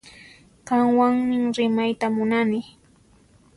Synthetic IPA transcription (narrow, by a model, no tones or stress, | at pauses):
kaŋwaŋmɪŋɾɪmajt̪amʊnanɪ